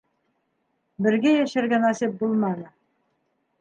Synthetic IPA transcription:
bɘ̆ɾɡæjæʃæɾɡænɑsip̚bulˠmɑnɤ

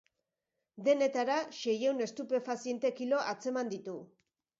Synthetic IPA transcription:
ðe̞ne̞t̪aɾaʃe̞jewne̞st̪upe̞fasie̞nt̪e̞kilo̞ʔat͡se̞mand̪it̪u

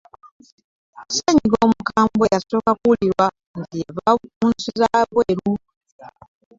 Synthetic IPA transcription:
seɲiɡomukaːmbejaso̞ːkakuliɾwa | nɡieβamunsuzaβweːɾu

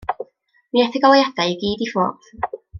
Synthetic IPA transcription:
miɛθɪɡɔlˠajad̥ajiɡiːdifoːð

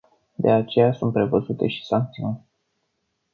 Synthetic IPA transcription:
d̪e̞at͡ʃe̞jasunt̪̚pɾe̞vəzut̪e̞̰ʃi̥saŋk̚t̪siunʲ

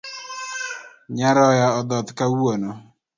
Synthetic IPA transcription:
ɲaɾɔjaɔd̪ɔt̪kawuonɔ

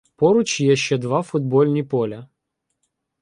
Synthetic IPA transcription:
pɔɾʊt͡ʃjɛʃt͡ʃɛd̪ʋafʊd̪̚bɔlʲnʲipɔlʲɐ

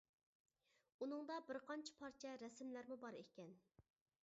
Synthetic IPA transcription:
unɨŋd̪ɑbɪɾqʰɑnt͡ʃʰɛ̥pʰɑɾt͡ʃʰɛɾɛsmlæɾmubɑɾekʲːɛn

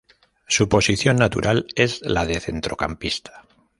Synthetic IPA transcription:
supo̞siθjo̞nːat̪ṵɾʔale̞zlaðe̞θe̞nt̪ɾo̞kampist̪ḁ

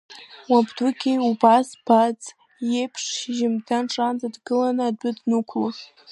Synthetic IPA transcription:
wabdukʲʰejubasb̥ad͡zʼ | jepʰʂʒɪmdʰanʈ͡ʂʼand͡zadɡɨlanɨːdʊdnukʷʰla

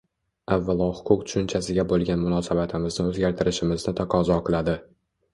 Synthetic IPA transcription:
avːalˠɒhʊ̥qʰʊq̚t̪ʰʊ̥ʃʊnt͡ʃʰasɪɡʲabolˠɡʲanmʊnɒsabat̪ʰɪmɪznɪɵzɡʲaɾt̪ʰɪɾɪʃɪmɪznɪt̪ʰaqʰɒzɒqʰɨlˠad̪ɪ

